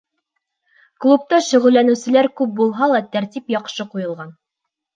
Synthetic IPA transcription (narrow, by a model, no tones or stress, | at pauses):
klˠup̚t̪ɑʃɵ̆ʁɵ̆lːænɘ̆wsɘ̆læɾkʉp̚bulˠɦɑlˠɑt̪æɾt̪ipjɑqʃɤqujɤ̆lˠʁɑn